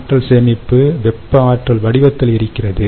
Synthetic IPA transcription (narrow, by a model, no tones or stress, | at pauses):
ʈrɐlsɛmɪpːɯʋɛpːɐaːʈrɐlʋɐɽɪʋɐt̪ːɪlɪɾɯkːɪrɐðɯ